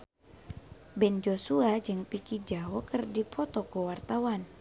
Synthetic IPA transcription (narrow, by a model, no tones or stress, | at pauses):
bɛnd͡ʒosuad͡ʒɨŋpikid͡ʒawɔkərdipʰɔt̪ɔkuwart̪awan